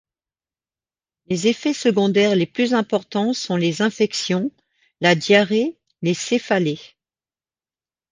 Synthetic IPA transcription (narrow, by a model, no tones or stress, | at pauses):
lezefɛsəɡɔ̃d̪ɛʁleplyzɛ̃pɔʁt̪ɑ̃sɔ̃lezɛ̃fɛksjɔ̃ | lad̪jaʁe | lesefale